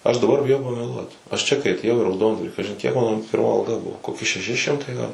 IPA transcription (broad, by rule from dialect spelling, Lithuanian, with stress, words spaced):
ˈɐʃ dɐˈbɐr bʲɪˈjɛʊ pɐmʲɛˈlˠuɔt ɐʃ ˈt͡ʃʲɛ kɐɪ ɐtʲeːˈjɛʊ iː rɐʊˈdoːndʋɐrʲiː ˈkɑːʒʲɪn kʲiɛk ˈmɑːnoː pʲɪrˈmɐ ɐlˠˈɡɐ ˈbʊʋoː koːˈkʲɪ ʃʲɛˈʃʲɪ ˈʃʲɪmtɐɪ ɡɐlˠ